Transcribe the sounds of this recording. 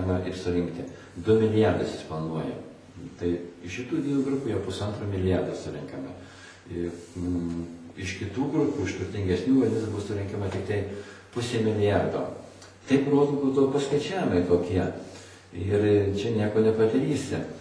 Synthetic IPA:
mɐʔɪɾsʊɾʲɪŋkt̪ʲɪ | d̪ʊmʲɪlʲɪjærd̪ɐɪsɪsplˠɐnuɔjɛ | t̪ɐɪɪʃʃʲɪt̪uːd̪ʲiːnuːɡɾʊpʲuːjɛʊpʊsɐnt̪ɾuːmʲɪlʲɪjɑrd̪ɐsʊɾʲɪŋkɐmɐ | ɪ | ɪʃkʲɪt̪uːɡɾʊpuːɪʃt̪ʊrʲt̪ʲɪŋʲɡʲɛsʲnʲuːɡɐnʲɪsbʊsʊɾʲɪŋkʲɛmɐt̪ʲɪkt̪ɐɪpʊsʲeːmʲɪlʲɪjɑrd̪o̰ː | t̪ɐɪproːd̪ubuːd̪ɐʋoːpɐskɐɪt͡ʃʲæːjʲɪmɐɪt̪oːkʲiɛ | ɪrt͡ʃʲɛnʲiɛkoːnʲɛpɐd̪ɐɾʲiːsʲɪ

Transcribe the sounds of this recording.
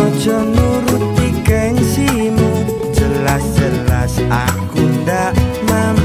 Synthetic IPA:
ɔ̥d͡ʒɔnuɾut̪ːikansimu | d͡ʒəlasd͡ʒəlasakundaʔ | mam

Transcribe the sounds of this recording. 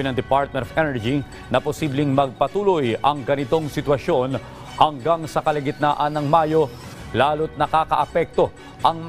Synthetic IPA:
ɪnɐŋd̪ɪpaɹt̪̚mɛnt̪ofɛnɛɹd͡ʒi | nɐposiblɪŋmɐɡ̚pɐt̪uːlojɐŋɡɐnɪt̪o̞ŋsɪt̪wɐʃo̞n | hɐŋɡaŋsɐkɐlɪɡɪt̪̚naːʔɐnːɐŋmaːjo̞ | laːlʊt̪̚nɐkaːkɐ̰ʔɐpɛk̚t̪o̞ | ʔɐŋm

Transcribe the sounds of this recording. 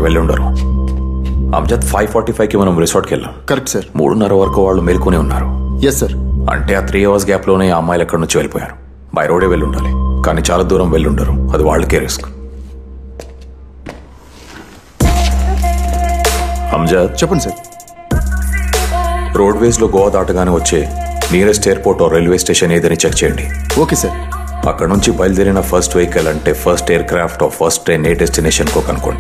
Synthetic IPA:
ʋeɭːuɳɖa̰ːɾu | ɐ̰md͡ʒaːt̪pʰaːjpʰɔːɾʈiːpʰɐjkimɐnɐmɾisoːɾʈkɛɭːa̰ːmkɐɾek̚ʈsɐɾmṵːɽunːɐɾɐʋɐɾɐkuʋaːɭːumelkoniːunːa̰ːɾujesːɐɾɐ̰ɳʈe̞ːaːt̪ʰɾiːɐʋas̬ɡaːplo̞ːne̞ːaːmaːjɐlɐkːɐɽɐnuɲt͡ʃiʋelipɔːja̰ːɾu̥ | bɐ̰jɾoːɽeːʋeɭːuɳɖaːlikaːniːt͡ʃaːlaːd̪uːɾɐmʋeɭːiuɳɖaːɾuɐd̪iʋa̰ːɭːɐkeːɾesk | ɐ̰mɐd͡ʒaːt͡ʃɛpːɐɳisaɾ | ɾoːɖʋesloːɡɔːʋaːd̪aːʈɐɡaːneːʋɐt͡ʃːeːniːɾesʈeːɐɾpoːɾʈoːɾelʋeːsʈeːʃɐneːd̪ɐnit͡ʃekt͡ʃɛjɐɳɖi | oːkeːsɐɾ | ɐ̰kːɐɽnuɲt͡ʃibɐjld̪iɾinɐpʰɐɾsʈʋejkelɐɳʈe̞ːpʰɐɾsʈeːɐɾkɾaːpʈɔːpʰɐɾsʈɾeːneːɖesʈineːʃɐnkoːkɐnuko̞̰ɳɖi

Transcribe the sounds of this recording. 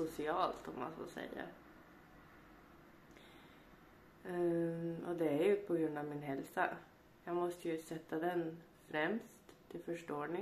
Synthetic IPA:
sʊsɪɑːlt̪ʰɔmːa̰nfo̰ːsɛ̰jːa̰ | ɔd̪ɛæɾjɵpʰɔɡɾɵnd̪avmɪnhɛlsa̰ | jɑːɡmɔst̪əjɵsɛt̪ʰːad̪ɛn | fɾɛmst̪ʰːɪlfœʂʈoːɳɪ

